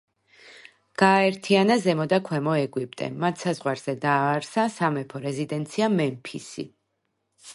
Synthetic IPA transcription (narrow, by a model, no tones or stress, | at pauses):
ɡ̥aːɛɾt̪ʰianazɛmɔd̪akʰwɛmɔɛɡwip̚ʼt̪ʼɛ̰mat̪ʰsazʁwaɾz̥ɛd̪aːɾsasamɛpʰɔɾɛzid̪ɛnt̪sʰiamɛmpʰḭsḭ